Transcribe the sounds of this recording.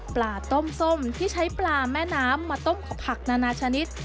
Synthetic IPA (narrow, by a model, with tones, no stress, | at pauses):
plaː˧˩t̪o˥˩mso˥˩mt̪ʰiː˥˩t͡ɕʰa˦˥jplaː˧mɛː˥˩naː˦˥mːaː˧t̪o˥˩mkʰa˨˩pʰa˨˩k̚naː˧naː˧t͡ɕʰa˧ni˦˥t̪̚